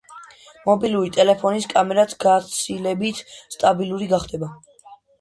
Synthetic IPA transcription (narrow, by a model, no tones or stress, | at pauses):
mɔbilˠuɾit̪ʼɛlɛpʰɔniskʼamɛɾat̪ʰɡat̪sʰilɛbit̪ʰst̪ʼabilˠuɾiɡaχd̪ɛba